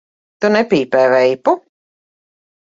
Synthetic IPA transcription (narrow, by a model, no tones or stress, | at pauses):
t̪unɛpʲiːpɛːvɛjpu